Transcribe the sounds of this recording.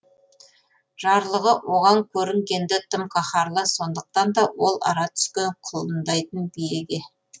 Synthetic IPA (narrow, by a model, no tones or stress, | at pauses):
ʒ̥ɑɾlˠəʁəwʔo̞ʁɑŋkʲʰɵɾɪŋɡʲe̞nd̪ɪt̪ʰəmkʰɑχɑɾlˠəso̞nd̪əq̚t̪ɑnd̪ɑwo̞lˠɑ̰ɾɑt̪ʰʏ̥skʲe̞ɴqʰʊlˠənd̪ɑjt̪ənbijeɡʲe